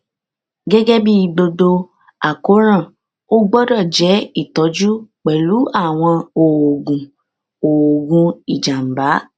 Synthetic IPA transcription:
ɡɛ˦ɡɛ˦bi˦i˦˨ɡ͡bo˧do˧ | a˨ko˨˦ɾ̃ã˦˨ | o˦ɡ͡bɔ˦dɔ˦˨d͡ʒɛ˨˦i˦˨tɔ˨˦d͡ʒu˦k͡pɛ˨lu˨˦a˦˨w̃ɔ̃˧o˨o˨ɡũ˨ | o˨o˨ɡũ˧i˨d͡ʒa˨m̩˨ba˨˦

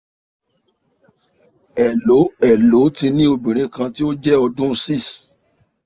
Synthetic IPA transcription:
ɛ˨lo˨˦ɛ˨lo˨˦ti˧nĩ˦o˧bĩ˨ɾ̃ĩ˨˦kã˧ti˦o˦d͡ʒɛ˦ɔ˧dũ˦˧si˦˨s

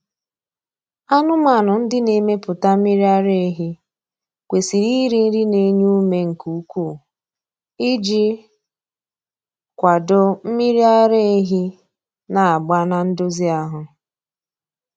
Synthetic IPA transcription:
a˦nʊ˦ma˨nʊ˨n̩˦dɪ˦ne˨me˦pʊ˨ta˦m̩˦mi˦ɾi˦a˦ɾe˦ɦi˦ | kʷe˨si˨ɾi˦ɾi˦n̩˦ɾi˦ne˨˦ɲu˦me˦ŋ̩˨ku˨˦kʷu˦˨ | ɪ˦d͡ʒi˦ | kʷa˨dʊ˨m̩˦mi˦ɾi˦a˦ɾe˦e˦ɦi˦ | na˨a˨ɡ͡ba˦na˨n̩˦dʊ˦zi˦a˦ɦʊ˨

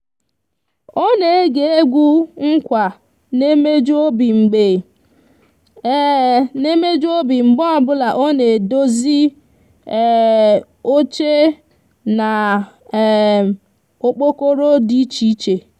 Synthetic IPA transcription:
o˦ne˨e˦ɡe˨e˦ɡʷu˦ŋ̩˦kʷa˨ | ne˦me˦d͡ʒo˦bi˨ŋ͡m̩˨ɡ͡be˨˦ | ne˦me˦d͡ʒo˦bi˨ŋ͡m̩˨ɡ͡bɔ˦a˨bʊ˦la˨ʔo˦ne˨do˦zi˦˨ | o˦t͡ʃe˦ | na˨ | o˨k͡po˦ko˦ɾo˦di˦t͡ʃi˦i˦t͡ʃe˨

